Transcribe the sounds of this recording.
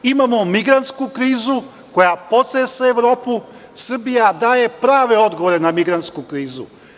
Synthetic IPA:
imamomiɡɾant̪skukɾiːzu | kojapot̪ɾeseeʋɾoːpu | sr̩bijad̪aːjepɾaːʋeod̪ɡoʋoɾenamiɡɾant̪skukɾiːzṵ

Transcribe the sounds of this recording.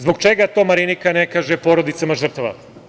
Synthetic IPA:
zboɡ̚t͡ʃe̞ɡat̪o̞ːmaɾinikane̞kaːʒepo̞ɾo̞d̪it̪samaʒr̩t̪aʋa̰

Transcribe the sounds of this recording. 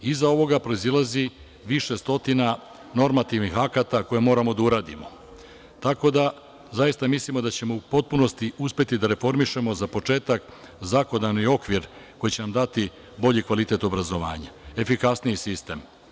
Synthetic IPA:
izao̞ʋo̞ɡapɾo̞izilˠazi | ʋiʃe̞st̪o̞t̪ina | no̞ɾmat̪iʋnixakat̪ako̞jemo̞ːɾamo̞d̪auɾaːd̪ḭmo̞ | t̪ako̞d̪a | zajist̪amislimo̞d̪at͡ɕe̞mo̞upo̞t̪̚puno̞st̪iuspe̞t̪id̪aɾe̞fo̞ɾmiʃe̞mo̞zapo̞t͡ʃe̞ːt̪ak | zako̞d̪anio̞kʋiɾko̞jit͡ɕe̞namd̪at̪i | bo̞ʎikʋalit̪e̞t̪o̞bɾazo̞ʋa̰ːɲae̞fikasnijisist̪e̞m

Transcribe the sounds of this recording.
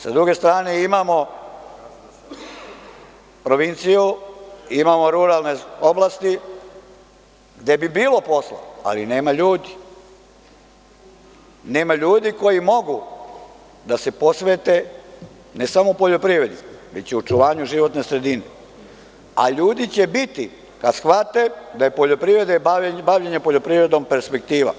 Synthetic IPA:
sad̪ɾuɡe̞st̪ɾaːneimamo̞ | pɾo̞ʋint̪sijuimaːmo̞ɾuɾalneoblˠaːst̪i | ɡd̪e̞bibiːlo̞po̞slˠa̰a̰line̞ːmaʎuːd̪i | ne̞ːmaʎuːd̪iko̞jimo̞ɡu | d̪ase̞po̞sʋet̪e | nesamoupoʎo̞pɾiʋɾe̞d̪iʋet͡ɕjeot͡ʃuʋaːɲuʒiʋo̞t̪nesɾe̞d̪ine | a̰ʎuːd̪it͡ɕe̞bit̪i | kad̪sxʋat̪ed̪ajepoʎopɾiʋɾe̞d̪ebaʋʎeɲepoʎo̞pɾiɾe̞d̪ompe̞ɾspek̚t̪iːʋa̰

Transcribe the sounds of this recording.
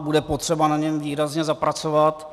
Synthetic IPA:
budɛpot̪r̝̥ɛbanaɲɛmviːɾazɲɛzapɾat͡sovat̪

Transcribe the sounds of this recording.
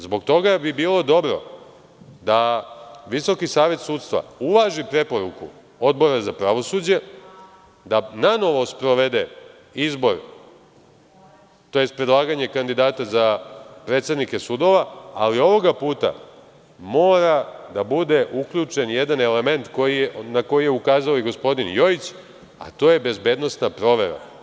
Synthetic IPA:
zbo̞ɡ̚t̪o̞ɡabibiːlˠo̞d̪o̞bɾo̞̰ | d̪aʋiso̞kisaːʋje̞t̪suːt̪st̪ʋa̰uʋaʒipɾe̞po̞ɾukṵ | o̞d̪bo̞ɾazapɾaʋo̞suːd͡ʑe̞ | d̪anano̞ʋo̞spɾo̞ʋe̞d̪e | izbo̞ɾ | t̪o̞je̞st̪̚pɾe̞d̪lˠaːɡaɲe̞kand̪id̪aːt̪azapɾe̞t̪se̞d̪nike̞sud̪o̞ʋaalio̞ʋo̞ɡapuːt̪a̰ | mo̞ːɾad̪abud̪e̞ʔukʎut͡ʃe̞njed̪ane̞le̞me̞nt̪ko̞jijnako̞jije̞ukaːzaojiɡo̞spo̞d̪injoit͡ɕ | a̰t̪o̞je̞be̞zbe̞ːd̪no̞snapɾo̞ʋe̞̰ɾa̰

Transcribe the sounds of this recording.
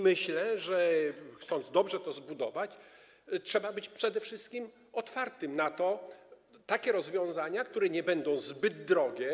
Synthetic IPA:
mɘɕlɛʐɛxt̪sɔnd̪zd̪ɔbʐɛt̪ɔzbud̪ɔvat͡ɕ | tʂɛbabɘt͡ɕpʂɛd̪ɛfʂɘst̪̚kʲim | ɔt̪faɾt̪ɘmnat̪ɔ | t̪akʲɛɾɔzvʲjɔ̃w̃zaɲakt̪uɾɛɲɛbɛnd̪ɔ̃w̃zbɘd̪̚d̪ɾɔɡʲjɛ

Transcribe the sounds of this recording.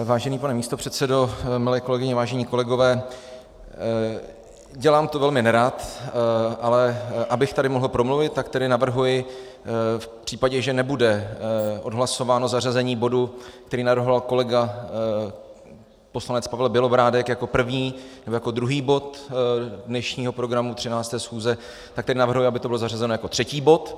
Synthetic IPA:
vaːʒɛniːpanɛmiːst̪opr̝̥ɛt̪sɛdo̞mɪlɛːko̞lɛɡɪɲɛvaːʒɛɲiːko̞lɛɡo̞vɛː | ɟɛlaːmt̪o̞vɛlmɪnɛɾat̪ | ʔalɛʔabɪxt̪adɪmo̞ɦl̩pɾo̞mluvɪt̪̚ːakt̪ɛdɪnavr̩ɦujɪ | fpr̝̥iːpaɟɛʒɛnɛbudɛʔo̞dɦlaso̞vaːno̞zarazɛɲiːbo̞duk̚t̪ɛɾiːnavr̩ɦovalko̞lɛɡa | po̞slanɛt͡spavɛlbjɛlobɾaːdɛkjako̞pr̩vɲiːnɛbojakodɾuɦiːbo̞t̪ | dnɛʃɲiːɦo̞pɾo̞ɡɾamut̪r̥ɪnaːt͡st̪ɛːsxuːzɛ | t̪ak̚t̪ɛdɪnavr̩ɦujɪabɪt̪obɪlo̞zarazɛnojako̞t̪r̥ɛciːbo̞t̪

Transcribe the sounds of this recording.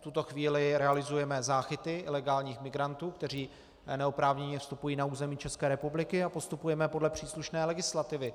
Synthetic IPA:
ft̪ut̪o̞xviːlɪɾɛalɪzujɛmɛzaːxɪt̪ɪʔɪlɛɡaːlɲiːxmɪɡɾant̪uːkt̪ɛr̝iː | nɛo̞pɾaːvɲɛɲɛfst̪upujiːnauːzɛmiːt͡ʃɛskɛːɾɛpublɪkɪapo̞st̪upujɛmɛpo̞dlɛpr̥iːsluʃnɛːlɛɡɪslat̪ɪvɪ

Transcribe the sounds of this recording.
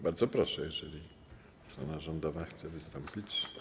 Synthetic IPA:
baɾd̪zɔpɾɔʂɛjɛʐɛlʲi | st̪ɾɔnaʐɔnd̪ɔvaxt̪sɛvɘst̪ɔmpʲit͡ɕ

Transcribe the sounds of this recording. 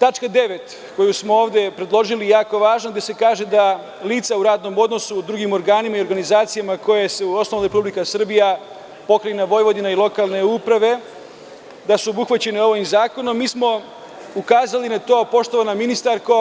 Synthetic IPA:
t̪at͡ʃkad̪e̞ʋe̞t̪ | ko̞jusmo̞o̞ːʋd̪e̞pɾe̞d̪lˠo̞ʒilijaːko̞ʋaːʒnoɡd̪je̞se̞kaːʒe̞d̪a | liːt̪sauɾaːd̪no̞mo̞d̪no̞sud̪ɾuɡimo̞ɾɡaːnimaioɾɡanizaːt̪sijamako̞jese̞uo̞snoʋnaɾepublikasr̩bija | po̞kɾajenaʋo̞jʋo̞d̪inailˠo̞kalˠne̞upɾaʋe̞ | d̪asuobuxʋat͡ɕe̞neo̞ʋoimzaːko̞nomːiːsmo̞ | ukaːzalinat̪o̞ːpo̞ʃt̪o̞ʋanaminist̪aɾko̞

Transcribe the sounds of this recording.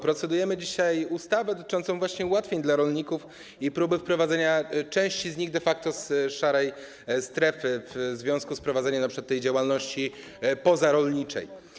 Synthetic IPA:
pɾɔt̪sɛd̪ujɛmɘd͡ʑiɕajust̪avɛd̪ɔt̪ɘ̥t͡ʂɔnt̪sɔ̃w̃vwaɕɲɛuwat̪fʲjeɲd̪laɾɔlɲikuf | ipɾubɘfpɾɔvad̪zɛɲat͡ʂɛ̃w̃ɕt͡ɕizɲiɣd̪ɛfak̚t̪ɔsʂaɾɛj | st̪ɾɛfɘvzvʲjɔ̃w̃skuspɾɔvad̪zɛɲanapʂɘ̥ɨkwat̪tːɛjd͡ʑawalnɔɕt͡ɕi | pɔzaɾɔlɲit͡ʂɛ̰j

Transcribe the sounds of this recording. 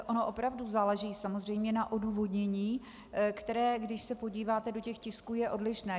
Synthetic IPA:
ʔono̞ʔo̞pɾavduzaːlɛʒiːsamozr̝ɛjmɲɛnaʔo̞duːvo̞dɲɛɲiː | kt̪ɛɾɛːɡdɪʃsɛpo̞ɟiːvaːt̪ɛdo̞cɛxcɪskuːjɛʔo̞dlɪʃnɛː

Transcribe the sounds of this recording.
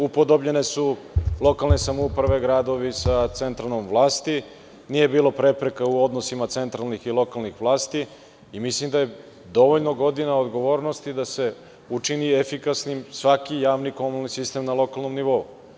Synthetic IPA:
upod̪o̞bʎe̞ne̞sulˠo̞kalne̞samoupɾaʋe̞ɡɾaːd̪o̞ʋisat̪se̞nt̪ɾalnomʋlˠaːst̪i | nije̞biːlˠopɾe̞pɾe̞kauo̞d̪nosimat̪se̞nt̪ɾalnixilo̞kalˠnixʋlˠaːst̪iː | mislimd̪aje̞ | d̪o̞ʋoʎnoɡo̞d̪inaod̪ɡo̞ʋo̞ːɾno̞st̪id̪ase̞ | ut͡ʂiniefikasnimsʋakijaːʋnikomulnisist̪e̞mnalo̞kalˠno̞mniʋo̞u

